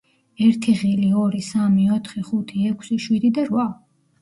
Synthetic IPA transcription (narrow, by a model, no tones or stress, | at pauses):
ɛɾt̪ʰiʁiliɔɾisamiɔt̪ʰχiχut̪ʰiɛkʰsiʃwid̪id̪aɾva